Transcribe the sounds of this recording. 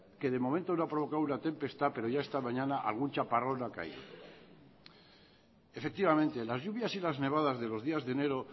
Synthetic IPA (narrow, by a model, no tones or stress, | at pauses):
ke̞ðe̞mo̞mẽnt̪onoapɾo̞β̞o̞kawunat̪e̞mpe̞st̪ape̞ɾo̞ʝaest̪amãɲanaʔa̰lɣ̞unt͡ʃaparo̞naka̰ḭðo̰ | efek̚t̪iβamẽnt̪e̞lazʝuβ̞jasilazne̞β̞aðazðe̞lo̞zðiazðene̞ɾo